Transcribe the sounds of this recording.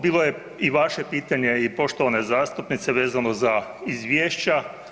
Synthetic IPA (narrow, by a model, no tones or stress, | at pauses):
biːlˠoje | iʋaʃe̞piːt̪aɲe̞ipo̞ʃt̪oʋane̞zaːst̪upnit̪se̞ʋe̞ːzano̞zaizʋjeːʃt͡ɕa